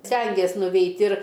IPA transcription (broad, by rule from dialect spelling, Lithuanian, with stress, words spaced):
ˈsʲtʲɛŋʲɡʲeːs nʊˈʋʲɛɪtʲ ɪr